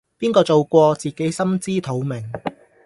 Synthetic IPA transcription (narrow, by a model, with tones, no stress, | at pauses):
piː˥nkɔː˧t͡so˨wkʷɔː˧t͡siː˨ke˨˥jsɐ˥mt͡siː˥t̪ʰo˨˥wmɪ˨˩ŋ